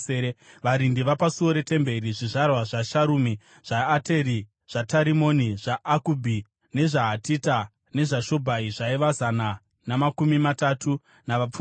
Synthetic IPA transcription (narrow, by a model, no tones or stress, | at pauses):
eeʋaɾindiʋapasuo̞ɾe̞te̞mbe̞ɾiʐiʐarwaʐaʃaɾuːmi | ʐ̥aːte̞ɾi | ʐ̥ataɾimo̞niʐaakubʱi | ne̞ʐaɦatita | ne̞ʐaʃo̞bʱaiʐaiʋazana | namakumimatatʰu | naʋap͡f